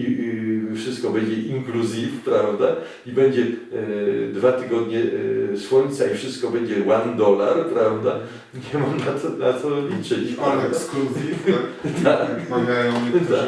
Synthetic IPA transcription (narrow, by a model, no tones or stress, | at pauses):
ifʂɘst̪kɔbɛɲd͡ʑɛʔiŋkluzʲifpɾavd̪a | ibɛɲd͡ʑɛ | d̪vat̪ɘɡɔd̪ɲɛswɔɲʲt̪saifʂɘst̪̚kɔbɛɲd͡ʑɛwand̪ɔlaɾpɾavd̪a | ɲɛmamnat̪ɔnat̪sɔlʲit͡ʂɘt͡ɕɛskuzift̪ʰakvʲajɔ̃a